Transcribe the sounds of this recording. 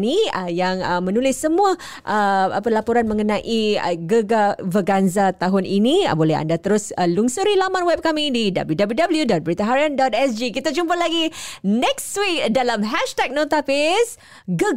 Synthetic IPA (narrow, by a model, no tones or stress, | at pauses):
niəjaŋəmənulɪsːəmũa | ʔəapəlapoɾanmə̃ŋənãʔiə̰ɡəɡavəɡanzat̪aɦʊninḭbolɛha̰ndat̪əɾʊsəluŋsuɾilamãnwɛp̚kamidida̰bəljudabəljudabəljudɔt̪̚bəɾit̪aɦaɾiandɔt̪̚ɛsd͡ʒikit̪ad͡ʒumpəlaɡinɛkswik̚dalamɦɛʃtɛk̚nat̪apɪs | ɡə